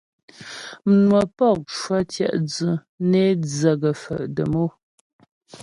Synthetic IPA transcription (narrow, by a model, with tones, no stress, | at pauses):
m̩˨nwə˨pɔ˦˨k̚ʃwa˦tjɛ̰˦˨ʔd͡zə˨ | ne˦d͡zə˨ɡə˨fə̰˨ʔdə˨mo˦